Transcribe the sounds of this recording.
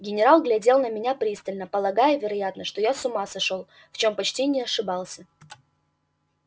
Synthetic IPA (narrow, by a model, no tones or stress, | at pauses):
ɡʲɪnʲɪɾalˠɡlʲɐdʲe̞lˠnəmʲɪnʲapɾʲist̪əlʲnəpəlˠɐɡajʊvʲɪɾɐjat̪nəʂt̪ojasʊmasɐʂolˠ | ft͡ɕo̞mpɐt͡ɕtʲinʲɪɐʂɨbɑlˠsʲə